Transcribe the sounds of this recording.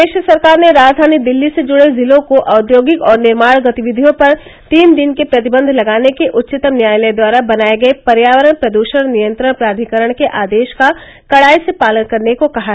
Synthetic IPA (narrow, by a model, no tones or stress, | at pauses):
eːʃɾəsɐɾkaːɾneɾaːd͡ʒd̪ʱaːnid̪ɪlːised͡ʒʊɽezɪlõkoʔaːd̪joːɡɪkɔːɾnɪɾmaːɽ̃ɡɐt̪iʋɪd̪ʱijõpɐɾ | t̪iːnd̪ɪnkepɾɐt̪ɪbə̃nd̪ʱlɐɡaːnekeʔʊtːt͡ʃɪt̪əmnjaːjlɛd̪waːɾabɐnaːeɡɐepɐɾjaːʋəɾəɽpɾɐd̪uːʃəɽ̃nijə̃nt̪ɾəɽpɾaːd̪ʱikəɾəɽ̃keʔaːd̪eːʃka | kɐɽaːisepaːlənkɐɾnekokɐɦa